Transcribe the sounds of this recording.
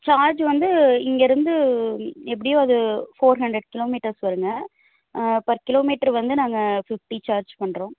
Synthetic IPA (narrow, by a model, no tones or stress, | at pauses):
t͡ʃaːɾd͡ʒʋɐnd̪ɯɪŋɡeɾɯnd̪ɯ | ɛp̬ːɐɽɪjõːɐðɯfoːɾɦɐɳɖɾɛɽkɪloːmiːʈɐɾsʋɐɾɯŋɡɐ | pɐɾkɪloːmiːʈːɐɾʋɐnd̪ɯnaːŋɡɐfɪfʈit͡ʃaːɾd͡ʒpɐɳːɾõː